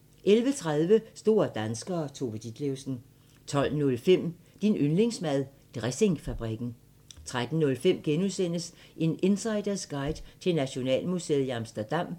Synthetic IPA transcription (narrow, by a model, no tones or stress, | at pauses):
ʔelʋət͡sʰʁað̞ˠʋəsd̥o̝ːɐd̥ænsɡ̥ɐːt͡sʰo̝ʋəd̥id̥leʊsn̩ | t͡sʰɒ̽l̰nɔ̽lfem̰ | d̥inønle̝ŋsmæð̞ˠ | d̥ʁɛse̝ŋfæb̥ʁiɡ̥n̩ | t͡sʰʁad̥n̩nɔ̽lfem̰ɡ̥enusen̰əs | ʔe̝ne̝nsɑ̈ɪd̥ɐsɡ̥ɑ̈ɪd̥t͡sʰe̝næɕo̝nɛ̰ːlmuse̝̰ːð̩ˠiɑ̈msd̥ɐd̥ɑ̈m̰